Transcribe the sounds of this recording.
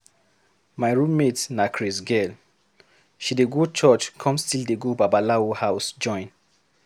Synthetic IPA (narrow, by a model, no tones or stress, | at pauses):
majɹũmmetnakʰɹisɡɛl | ʃideɡot͡ʃɔt͡ʃkʰɔ̃mstildeɡobabalaohaʊsd͡ʒɔ̃ɪ̃n